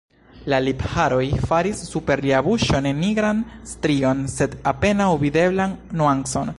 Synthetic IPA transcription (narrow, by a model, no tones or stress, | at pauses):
laliphaɾo̞jfaɾisːupe̞ɾliabuʃo̞nenːiɡɾanstɾio̞nse̞dape̞nawvide̞blanːuanso̞n